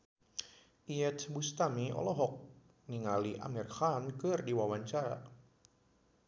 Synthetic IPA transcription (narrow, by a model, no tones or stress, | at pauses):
ʔiɛt̪bust̪amiɔ̰lɔɦɔk̚ | niŋaliʔa̰mirxankɨrdiwawaɲt͡ʃaɾa